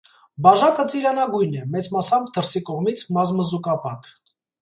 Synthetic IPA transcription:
bɑʒɑkət͡siɾɑnɑɡujnɛmɛt͡smɑsɑm̚d̪əɾsikɔʁmit͡sʰmɑzməzukɑpɑt̪

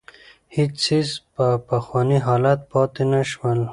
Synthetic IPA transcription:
hit͡ʃsizpəpaxwɑːniɦɑːlat̪̚pɑt̪enaʃwəl

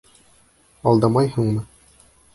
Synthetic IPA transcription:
ɑlˠd̪ɑmɑjɦuɴmɤ

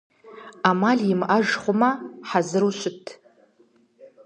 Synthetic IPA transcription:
amalʲimʔaʒχʷʊmaħazɨɾuʃʷʊtʰ

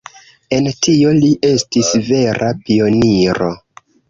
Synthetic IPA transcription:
e̞ntʰio̞liʔe̞stisve̞ɾʔapio̞niɾo̞̰

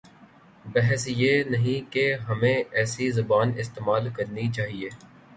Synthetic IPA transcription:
bɛɦɛsjeːnɐɦĩkeɦɐmẽɛːsizɐbaːnɪst̪eːmaːlkɐɾnit͡ʃaːɦieː

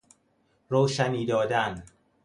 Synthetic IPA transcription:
rowʃæniːd̪ɒːd̪æn

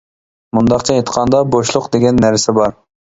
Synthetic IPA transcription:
mund̪ɑqt͡ʃʰɛet̪qʰɑnd̪ɑboʃlˠʊqd̪eɡʲɛnːæɾsɪbɑɾ

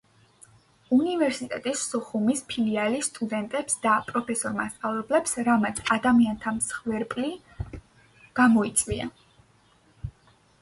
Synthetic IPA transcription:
univɛɾsit̪ʼɛt̪ʼisːɔχumispʰilialist̪ʼud̪ɛnt̪ʼɛpsd̪apʼɾɔpʰɛsɔɾmast̪sʼavlɛblɛpsɾamat̪sʰad̪amiant̪ʰamsχvɛɾpʼli | ɡ̥amɔit̪sʼwia̰

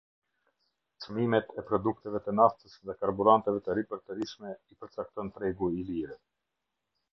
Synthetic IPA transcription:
t͡smimɛt̪ʰɛpɾɔd̪uk̚t̪ɛvɛt̪ənaft̪əsðɛkaɾbuɾant̪ɛvɛt̪əɾipɛɾt̪ɛɾiʃmɛipəɾt͡sak̚t̪ɔnt̪ɾɛɡuiliɾɛ

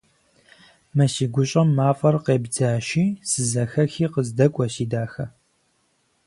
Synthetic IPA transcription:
mɐsiːɡʷʊɕʼɐmːaːfʼɐrqeːbd͡zaːʃiːsɨzɐxɐxiːqəzdɐkʷʼɔɕiːdaːxɐ

